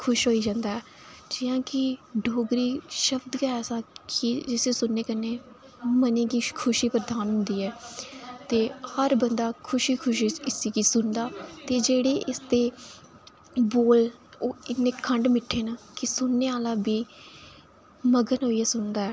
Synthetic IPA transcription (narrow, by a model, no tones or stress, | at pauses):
kʰʊʃɦoːiːd͡ʒãːnd̪aːɛː | d͡ʒɪjãːkɪɖʱoːɡɾiːʃəbd̪kəɛːsãːkɪd͡ʒɪseːsʊnːeːkənːeː | mənẽːɡiːkʰʊʃiːpɾəd̪aːnɦʊ̃nd̪iːɛːt̪eːhəɾbənd̪aːkʰʊʃiːkʰʊʃɪsiːɡiːsʊnd̪aːt̪eːd͡ʒeːɽeːʔɪsd̪eː | boːl | oːɪnːẽːkʰəɳɖmɪʈʰːeːnaːkɪsʊnːeːaːlaːbiː | məɡənɦoːiːɛːsʊnd̪aːɛː